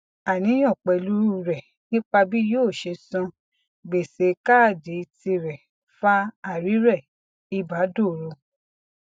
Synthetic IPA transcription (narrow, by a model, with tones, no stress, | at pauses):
a˨nĩ˨˦j̃ɔ̃˦˨k͡pɛ˨lu˦ɾu˦ɾɛ˨ | nĩ˦k͡pa˧bi˦joː˦˨ʃe˧sɔ̃˧ | ɡ͡be˨se˨˦ka˦˨de˨˦i˧ti˧ɾɛ˨ | fa˦a˦˨ɾi˨˦ɾɛ˦˨ | i˧ba˨˦do˦˨ɾo˧